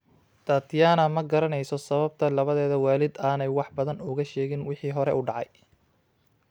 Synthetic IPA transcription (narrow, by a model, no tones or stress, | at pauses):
t̪ʰaːt̪ʰjaːnɐmɐɡɐɾɐnɛjsɔsɐβɐb̚t̪ʰɐlɐβɐðɛːðɐwaːlɪd̪aːnɛjwɑħbɐðɐnʊɣɐʃɛːɣɪnwɪħiːɦɔɾɛʔuːɖɑʕɑ̰j